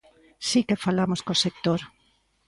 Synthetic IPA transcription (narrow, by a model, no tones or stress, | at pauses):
sikefalamoskosek̚t̪oɾ